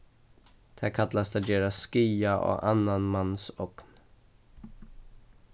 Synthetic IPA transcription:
t̪ʰækʰat̪last̪adeːɾaskiːaʔɔ̰ʔa̰nːanmanːsɔkn

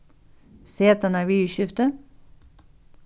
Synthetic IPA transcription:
seːt̪ɑnæʋyːʃʏft̪ə

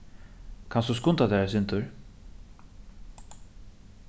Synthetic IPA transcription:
kʰanst̪us̬kʊnt̪ad̪ɛːɹasɪnt̪ʊɹ

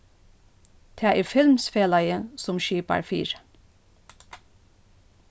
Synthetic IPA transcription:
t̪ʰæːʔæːɹfɪlmsfeːlɑɪəsɔmʃiːpɑ̰ɹfḭːɹ

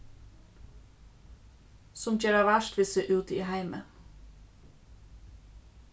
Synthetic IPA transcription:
sɔmçeːɾɑʋæʃtʋɪsəʔʉːt̪iːhæɪmə̰n

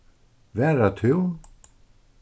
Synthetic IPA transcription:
vɛːɾat̪ʰʏw

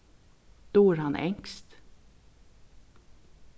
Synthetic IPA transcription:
d̪̥oːæɾhɑnʔɛ̰ŋkst̪

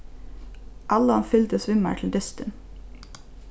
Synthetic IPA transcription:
ʔɑləhɑnfʏlt̪əsʋʏmə̰ʈʰl̩d̪ʏst̪ən

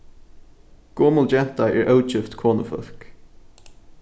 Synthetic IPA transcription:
ɡ̥oːməld͡ʒɛn̥t̪aʔɛɹʔəʊt͡ʃɪft̪kʰɔːnəfə̰ɬk

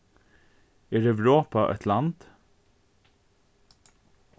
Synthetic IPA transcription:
æːɾɛʋɹoːpɑʔɛ̰t̪ʰlɑnd̪̥

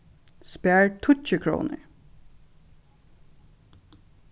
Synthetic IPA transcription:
spæːɹt̪ʰʊcəkʰɹṵːnə̰ɹ

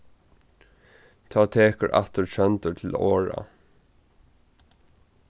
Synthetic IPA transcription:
t̪ʰɑːt̪ʰeːkəɹʔa̰ht̪əɹsʰœnt̪əɹt̪ʰɪloːɹa̰

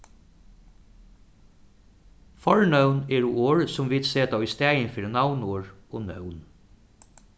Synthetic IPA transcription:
fɔɹnœʉneːɾuːoːɹsʊmʋɪd̪seːt̪ɑːiːst̪æɪənfiɾnɑʊnoːɹo̰ːnœ̰ʊn

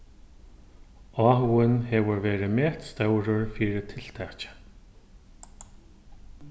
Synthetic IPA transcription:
ɔːɦɪnhɛvʊɾvɛːɾɪmɛht̪st̪œwɾʊɹfiːɾɪt̪ʰɪl̥t̪ʰaːt͡ɕḁ

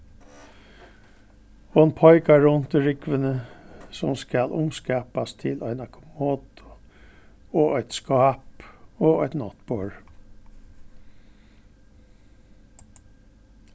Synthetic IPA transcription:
hɔnpʰɔʏkɑɹʊnt̪ɪɹɪkʋənəsɔmskɑlʔʊmskæːpɑst̪ʰɪlɑɪnɑkʰʊmoːd̪ʊ | oːʔœɪt̪skɑːpoːæɪt̪nɔt̪bɔːɹ

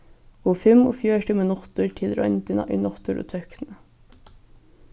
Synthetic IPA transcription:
oːfʏmo̰ːfjøːʈəmeːnɔt̪ʊɾʈʰɪlɾʔœ̰nt̪ənɑ̰ʔɪ̰nɔt̪ʊɾʔo̰ːt̪ʰœknə

